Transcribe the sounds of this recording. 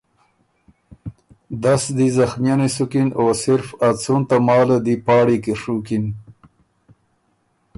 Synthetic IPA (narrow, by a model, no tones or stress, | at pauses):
d̪asd̪izaxmjanesukinosɪɾfat͡sunt̪amɑːlad̪ipɑːɽikiʂukin